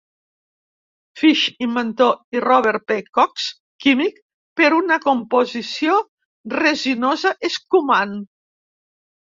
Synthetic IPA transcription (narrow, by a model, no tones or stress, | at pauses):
fiʃimːent̪oirɔβeɾpekɔks | kimik | peɾunakumpozisio | reʒinozaʔeskuman